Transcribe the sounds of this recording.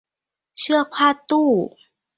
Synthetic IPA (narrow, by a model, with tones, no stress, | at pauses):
ʂɤ˥˧kʰwa˥˧t̪u˥˩